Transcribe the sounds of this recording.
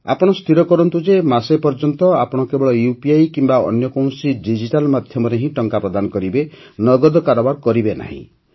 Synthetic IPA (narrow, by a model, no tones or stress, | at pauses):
a̰pɔɽ̃ɔst̪ʰiɾɔkɔɾɔnt̪ud͡ʒemasepɔɾd͡ʒɔnt̪ɔapɔɽ̃ɔkebɔɭɔjupiajkimbaɔ̰njɔkɔw̃siɖid͡ʒiʈalmad̪ʱjɔmɔɾeɦĩʈɔŋkapɾɔd̪anɔkɔɾibenɔɡɔd̪ɔkaɾɔbaɾkɔɾibena̰ɦḭ̃